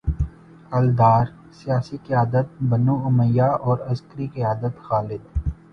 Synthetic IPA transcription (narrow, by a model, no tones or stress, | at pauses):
ɐld̪aːɾ | sijaːsiqɪjaːd̪ət̪̚bɐnuʊməjːaɔːɾɐzkəɾikiaːd̪ət̪xaːlɪd̪